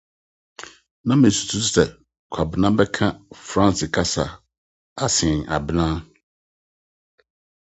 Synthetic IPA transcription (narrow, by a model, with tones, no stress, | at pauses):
nã˦mɪ̃˨n˨su̥˨tʰu˦ssɛ˨ | kʷʰa˨bɪ˨nã˦bɛ˦kʰã˦fɾã˦nsɪ˨kʰa˦sa˨ | a˦sɪ̃˨n˨a̰˨bɪ˨nã˦